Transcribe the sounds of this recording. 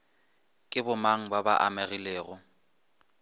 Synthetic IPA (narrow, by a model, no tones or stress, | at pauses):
kʼɪbʊmaŋ̩baba̰ʔamaɣileːɣʊ